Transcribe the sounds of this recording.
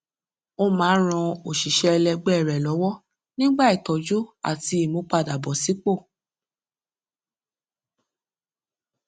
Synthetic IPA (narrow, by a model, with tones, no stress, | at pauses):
o˧mãː˨˦ɾ̃ã˧o˨ʃi˨ʃɛ˧lɛ˧ɡ͡bɛ˦˨ɾɛ˨lɔ˨˦wɔ˦ | nĩ˦ɡ͡ba˦i˨tɔ˨d͡ʒu˦a̰˦˨ti˧˦i˦˨mo˨˧˦k͡pa˧˨da˨bɔ˨si˨˦k͡po˦˨